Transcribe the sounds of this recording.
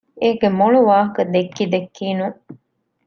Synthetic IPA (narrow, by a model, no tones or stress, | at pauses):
eːɡemoɭuʋaːɦɐkɐd̪ekːid̪ekːiːnuŋ